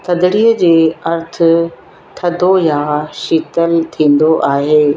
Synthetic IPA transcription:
t̪ʰɐd̪ɪɽiːəd͡ʑeːɐɾt̪ʰʊ̆ | t̪ʰɐd̪ʱojaʃiːt̪əlt̪ʰĩːn̆d̪oʔaːɦeː

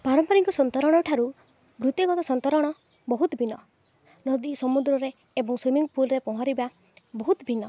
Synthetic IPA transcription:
paɾɔmpɔɾiŋkɔsɔnt̪ɔɾɔɽ̃ɔʈʰaɾu | bɾut̪iɡɔt̪ɔsɔnt̪ɔɾɔɽ̃ɔ | bɔɦut̪ɔbʱinɔ | nɔd̪isɔmud̪ɾɔɾeː | bɔŋswimiŋpulɾepɔɦaɾiba | bɔɦut̪bʱinɔ

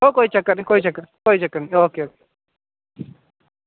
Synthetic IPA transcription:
okoːit͡ʃɐkːəɾnikoːit͡ʃɐkːəɾkoːit͡ʃɐkːəɾnioːkeoːke

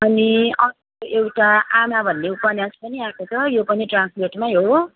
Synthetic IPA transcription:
ʌniʌ | oewʈaamabʱʌnːeupʌnjaspʌniakot͡sʰʌjopʌniʈransperʈmajɦo

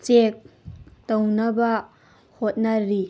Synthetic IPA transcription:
t͡ʃek̚townɐbɐ | hot̚nɐɾi

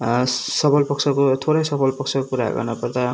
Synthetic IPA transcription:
sʌpʰʌlpʌksʰʌkot̪ʰoɾʌjsʌpʰʌlpʌk̚sʰʌkokuɾa̰ɡʌ̰rnʌpʌrt̪a

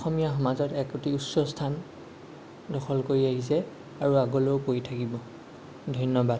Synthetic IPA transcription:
ɔxɔmijaɦɔmazɔtɛkotiusɔstʰan | dɔxɔlkoɹiaɦisɛ | aɹuaɡolowpojtʰakibɔ | dʱɔjnɔbad

